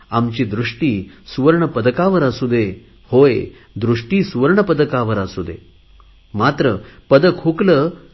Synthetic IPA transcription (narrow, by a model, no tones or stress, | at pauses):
amt͡ɕiːd̪ɾuʂʈiːsuʋəɾɳəpəd̪əkaʋəɾasud̪e | hoj | d̪ɾuʂʈiːsuʋəɾɳəpəd̪əkaʋəɾasud̪ʱḛ | mat̪ɾəpəd̪əkʰukləː